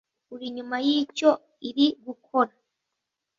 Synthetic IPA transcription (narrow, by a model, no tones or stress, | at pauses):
uɾiɲumajiːco̞ | iɾiɡukʰo̞ɾa